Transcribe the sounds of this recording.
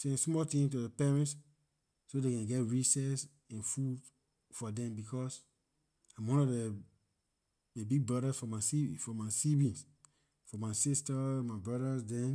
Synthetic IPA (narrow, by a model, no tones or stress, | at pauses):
sɛ̃nsmɔtĩŋt̬udəpɛɹɛ̃ntsː | odekɛ̃ɡɛtɹisɛs | ɛ̃nfud | fɔdɛ̃mbikɔs | amwɔ̃nɔde | ebiɡ̚bɹɔɾasfɔmasifɔmasibĩns | fɔmaɪsistamabɹɔɾasdɛ̃n